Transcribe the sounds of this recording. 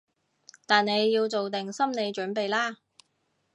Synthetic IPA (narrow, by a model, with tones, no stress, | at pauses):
t̪aː˨nne˨˧jːiː˧wt͡so˨wt̪ɪ˨ŋsɐ˥mne˨˧jt͡ʃɵː˨˥npe˨jlaː˥